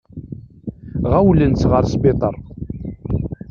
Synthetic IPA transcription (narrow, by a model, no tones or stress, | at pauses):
ʁæwlənt͡sʁəɾsbet̪ˤəɾˤ